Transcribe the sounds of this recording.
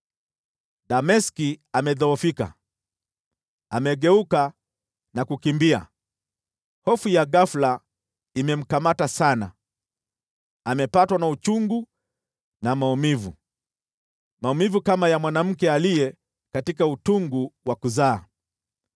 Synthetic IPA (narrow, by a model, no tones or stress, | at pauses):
damɛskiamɛðɔɔfika̰ | amɛɠɛuka | nakukimbia̰ | hɔfujaɡafla | imɛm̩kamatasana̰ | amɛpatwanaut͡ʃuŋɡu | namaumivu | maumivukamajamwanam̩kɛalijɛ | katikautuŋɡuwakuzaː